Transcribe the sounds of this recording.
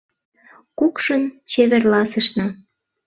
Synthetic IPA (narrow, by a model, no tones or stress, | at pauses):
kukʃənt͡ɕeβerlɑsəʃnɑ